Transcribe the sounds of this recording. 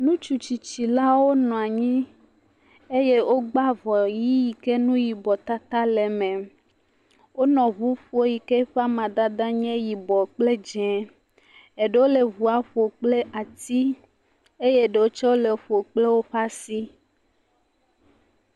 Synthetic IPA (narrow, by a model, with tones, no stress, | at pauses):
nũ˦t͡ʃu˨t͡ʃi˨t͡ʃi˨la˦wo˦nɔ̃˨a˨ɲĩ˦ | e˦je˦wʔo˦ɡ͡ba˦vɔ˨ji˦ji˨ke˦nũ˦ji˨bɔ˨t̪a˦t̪a˦lɛ˨mɛ̃˨ | wo˦nɔ̃˨βu˦ɸu˦o˦ji˨ke˦ɸa˦mã˨d̪a˦d̪ã˦ɲɛ̃˦ji˨bɔ˨k͡ple˦d͡ʒɛ̃˨ | e˨ɖe˦wo˦le˨βu˨a˨ɸo˨k͡ple˦ʔa˨t̪i˦ | e˦je˦ɖe˨wo˦t͡ʃɔ˦wo˦le˨ɸo˨k͡ple˦wo˦ɸa˦si˦